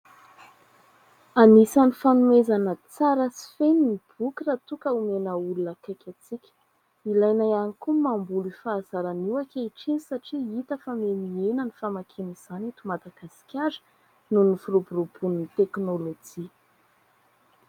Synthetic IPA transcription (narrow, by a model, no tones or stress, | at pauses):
anisanifanumezanət͡saɾəsi̥feninib̥ukiɾat̪ukəumenəulunəkakʲat͡sikʲə̥ | ilajnaanikumambulifaːz̥aɾaniwakʲeiʈ͡ʂinisaʈ͡ʂiit̪əfamenienənifamakʰeniz̥anit̪umad̪aɡ̥asi̥kʲaɾə̥ | nunifuɾobuɾub̥unnit̪eknolod͡ʒi